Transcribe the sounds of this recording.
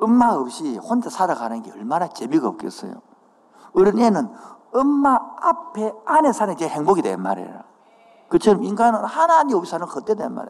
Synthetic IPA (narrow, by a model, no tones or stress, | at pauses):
ɯmːaɯp̚ɕ͈ihond͡ʑasʰadaɡanɯnɡeʌɭmanat͡ɕemiɡaɯ̰p̚k͈ḛs͈ɯ̰jo̰ | ɯɾinenɯnɯmːaːpʰe̞ane̞sʰanet͡ɕeheŋboɡidwenma̰ɾḛɾa̰ | kɯt͡ɕʰʌɾʌmiŋɡanɯnhanaɲiopisʰanɯŋkʰɯt͈edenma̰ɾḛ